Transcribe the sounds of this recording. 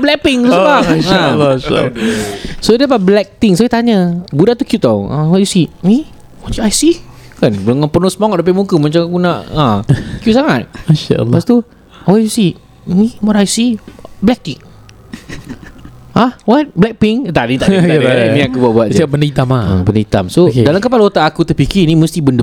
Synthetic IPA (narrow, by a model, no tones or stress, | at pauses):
blɛk̚piŋubaaa̰l | sodapablɛk̚t̪iŋsojit̪aɲəbudaʔt̪ukjuʔt̪awã̰waʔ̚jusit̪̚mĩ | wat͡ʃuajsikanəŋanpənʊsəmaŋɔt̪̚dapimukəmat͡ʃamakunaʔãkjuʔsaŋat̪̚maʃa̰lpast̪u | waʔjusit̚ | miwatajsiblɛk̚t̪iŋ | hahwat̪̚blɛk̚piŋt̪anit̪aamĩakubuaʔbuat̪̚sabəndəit̪amaə̰bəndəit̪a̰msodalamkəpalot̪aʔːkut̪əpikinĩmə̃st̪ibəndə